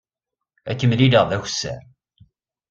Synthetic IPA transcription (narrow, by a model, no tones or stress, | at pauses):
ækːəmliləʁðæçsːæ̰